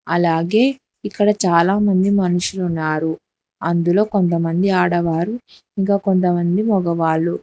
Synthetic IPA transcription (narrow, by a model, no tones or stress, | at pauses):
ɐlaːɡe̞ː | ikːɐɽɐt͡ʃaːlaːmɐnd̪imɐnuʂulunːaːɾu | ɐnd̪ulo̞ːko̞nt̪̬ɐmɐnd̪iaːɽɐʋaːɾu | iŋkaːko̞nt̪̬ɐmɐnd̪imɔɡɐʋaːɭu